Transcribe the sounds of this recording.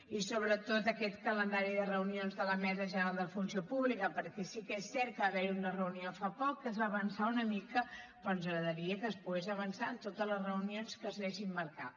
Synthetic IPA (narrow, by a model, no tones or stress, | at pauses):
isoβɾət̪ot̪əkɛt̪kələnd̪aɾiðərəunionzðələmɛzəʒənəɾalˠd̪ələfunsiopuβlikəpəɾkɛsikesːɛɾt̪̚kəβaβɛɾiunərəuniofapɔkːəzβaβənsaunəmikəpɾɔnzəɣɾəðəɾiəkəspuɣezəβənsaənt̪ot̪əzləzrəunionskəzβɛʒimːəɾka̰